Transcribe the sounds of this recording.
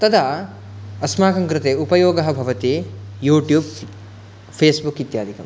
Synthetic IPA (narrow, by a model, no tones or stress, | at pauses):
t̪ɐd̪a | ɐsmaːkɐŋkɾɪt̪eːupɐjoːɡɐɦɐ̆bʱɐʋɐt̪ijuːʈjuːb | pʰeːsbukit̪jaːd̪ʱikɐ̰m